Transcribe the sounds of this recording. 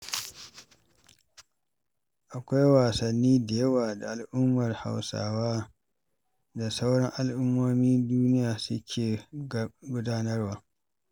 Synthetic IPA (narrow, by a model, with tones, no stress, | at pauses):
ʔa˨kʷa˦jwaː˨sɐ˨nːiː˦da˨jɐ˦waː˨da˨ʔa˨lʔʊ˦mːɐ˨rha̰˨wsa̰ː˦waː˦ | da˨sa˦wɽɐ˦ŋʔa˨lʔʊ˦mːoː˦miː˦duː˦nɪ˦jaː˨sʊ˦kʲʰeː˨ | ɡʷʊ˦daː˦nɐ˦rwaː˦